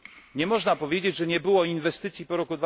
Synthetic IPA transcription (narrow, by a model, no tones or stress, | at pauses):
ɲɛmɔʐnapɔvʲjed͡ʑed͡ʑʐɛɲɛbɘwɔinvɛst̪ɘt̪sʲjipɔɾɔkud̪va